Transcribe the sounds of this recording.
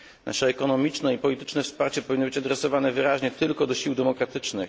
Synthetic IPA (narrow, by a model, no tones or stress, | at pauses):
nʔa̰ʂɛːkɔnɔmʲit͡ʂnɛipɔlʲit̪ɘ̥t͡ʂnɛfspaɾt͡ɕɛpɔvʲinːɔbɘt͡ɕad̪ɾɛsɔvanɛvɘɾaʑɲɛt̪ɘlkɔd̪ɔɕiwd̪ɛmɔkɾat̪ɘt͡ʂnɘx